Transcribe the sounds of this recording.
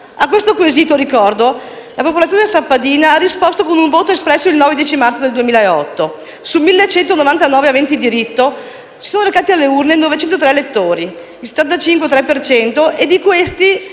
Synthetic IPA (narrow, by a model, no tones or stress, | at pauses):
akwest̪okueziːt̪oɾikɔrd̪olapopolaːjoːnesapːad̪iːnaarːispost̪okonuɱvoːt̪oespɾɛsːoilnɔːved̪jiɛt͡ʃimart̪sod̪eld̪uemiːlaeɔt̪ːo | sulmilːet͡ʃɛnt̪onovant̪anɔːveavɛnt̪id̪iɾit̪ːo | si̥soːnoɾekaːt̪ialːeurnenɔvet͡ʃɛnt̪ot̪ɾɛelet̪ːoːɾi | ilse̥t̪ːant̪at͡ʃiŋkwet̪ɾɛpːert͡ʃɛnt̪oʔed̪ikwest̪i